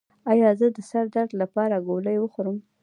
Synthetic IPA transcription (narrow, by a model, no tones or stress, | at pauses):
ɑjɑzəd̪əsaɾd̪aɾd̪lapɑɾaɡoləjwəxoɾəm